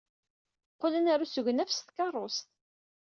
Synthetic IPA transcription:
qʊlənaɾusəʝnæfst̪kɑrˤːost̪

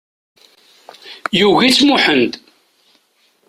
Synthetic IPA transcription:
juɣit͡sːmuħənd̪

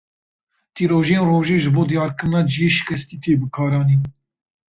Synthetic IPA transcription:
t̪iːɾoːʒeːnroːʒeːʒɨboːd̪ijɑːɾkɨɾɨnɑːd͡ʒjeʃɨ̥kʰɛst̪iːt̪ʰeːbɨkʰɑːɾɑːniː

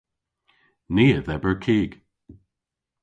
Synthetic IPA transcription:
niːəðɛbəɹkʰiːɡ̥

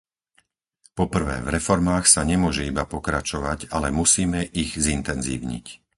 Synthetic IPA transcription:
pɔpr̩ʋɛ̰ːvɾɛfɔɾmaːxsaɲɛmʊɔʒɛibapɔkɾat͡ʃɔʋaɟalɛmusiːmɛʔiɣzint̪ɛnzḭːʊɲḭc

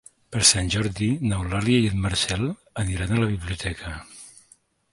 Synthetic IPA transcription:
pəɾsanʲʒɔɾðinəwlaliəiət̪məɾsɛlˠ | əniɾanələβ̞iβliut̪ɛkʰə

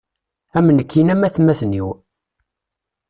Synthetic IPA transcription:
æmːənəkʰːinæmæθmːæθəniw

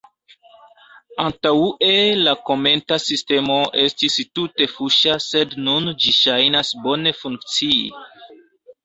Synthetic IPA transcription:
antauʔelako̞me̞ntasiste̞mo̞ʔe̞stistute̞fuʃase̞dnund͡ʒiʃajnasbo̞ne̞fuŋk̚t͡siḭ

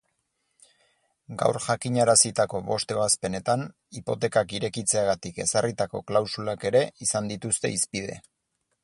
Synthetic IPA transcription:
ɡa̰wɾʝakiɲaɾasit̪ako̞βo̞st̪e̞βaspe̞ne̞t̪an | ipo̞t̪e̞kakiɾe̞kit͡se̞aɣat̪ike̞sarit̪ako̞̰klawsulake̞ɾe̞isand̪it̪ust̪e̞̰ispið̞e̞̰

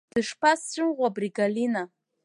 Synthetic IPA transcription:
d̥ɨʂpʰast͡ʃʷʰʼʊnʁʷabriɡalina

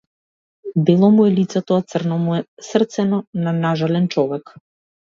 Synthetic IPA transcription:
d̪ɛlˠɔmuɛlit̪sɛt̪ɔat̪srnɔmuɛsr̩t̪sɛnɔnanaʒalɛnt͡ʃɔvɛk

